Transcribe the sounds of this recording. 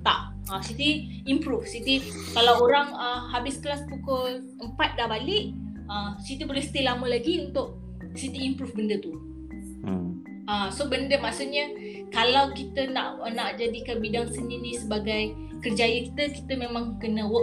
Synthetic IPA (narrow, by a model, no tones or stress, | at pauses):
t̪aʔ | əsit̪i | impɾufsit̪i | kalawoɾaŋəhabɪskəlaspukʊl | əmpat̪̚dabalɪʔ | əsit̪ibolɛhst̪ilaməlaɡiunt̪ʊʔ̚ | sit̪iimpɾufbəndət̪u | əsobəndəmaʔsuʔɲə | kalawkit̪ənaʔnaʔd͡ʒadikanbidaŋsəndiɾisəbaɡaj | kərd͡ʒajəki̥t̪əki̥t̪əmẽmãŋkənəwə